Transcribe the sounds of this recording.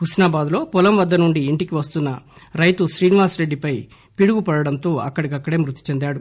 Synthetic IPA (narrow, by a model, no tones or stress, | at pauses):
ɦusnaːbaːd̪lo̞ːpɔlɐmʋɐd̪ːɐnuɳɖiːɳʈikiʋɐst̪unːɐɾɐjt̪uʃɾiːniʋaːsɾe̞ɖːipɐj | piɽuɡupɐɽɐɽɐnt̪o̞ːɐ̰kːɐɽikɐkːɐɽe̞ːmɾut̪ːi̥t͡ʃend̪aːɽu